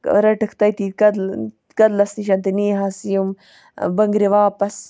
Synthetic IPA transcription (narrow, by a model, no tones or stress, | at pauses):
ɾɐʈɨkʰt̪ɐjt̪ikɐd̪ | kɐd̪lɐsniʃɐnt̪iniːɦaːsijum | bɐŋɡɾiʋaːpɐs